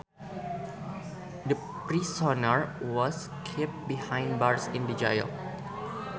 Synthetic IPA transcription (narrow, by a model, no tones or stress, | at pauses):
də | pɾisɔnəɹwɔs | kʰɛp̚bihãj̃nbaɹsĩndid͡ʒa̰jə̰l